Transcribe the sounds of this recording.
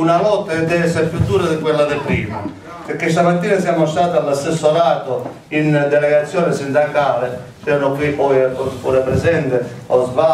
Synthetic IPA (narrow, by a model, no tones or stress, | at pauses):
unalɔt̪ːad̪ɛɛsafjut̪ːuːɾaðɪkwelːad̪ɪpɾiːma | peɾkːest̪amat̪ːiːnas̬jaːmost̪aːt̪alːast̪esːolaːt̪o | ind̪ɛlɛɣat̪sːjɔːnɛsint̪aŋkaːle | t͡ʃɛɾnokwipɔjpɔspɔɾapɾɛzɛnt̪eɔzva